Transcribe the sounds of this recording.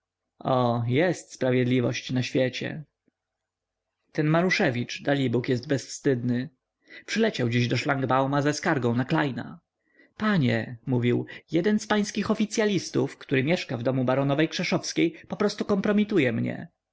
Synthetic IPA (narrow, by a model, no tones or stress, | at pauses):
ɔjɛst̪spɾavʲjɛd̪lʲivɔɕt͡ɕnaɕfʲjɛt͡ɕɛ̰ | t̪ɛnmaɾuʂɛvʲit͡ʂd̪alʲibukjɛsd̪bɛsfst̪ɘd̪nɘ | pʂɘlɛt͡ɕawd͡ʑiʑd̪ɔʂlaŋɡbawmazɛskaɾɡɔ̃w̃naklajna̰ | paɲɛ̰muvʲiwjɛd̪ɛnspaj̃skʲixɔfʲit̪sʲjalʲist̪ufkt̪uɾɘmʲjɛʂkavd̪ɔmubaɾɔnɔvɛjkʂɛʂɔfskʲejpɔpɾɔst̪ukɔmpɾɔmʲit̪ujɛmɲɛ̰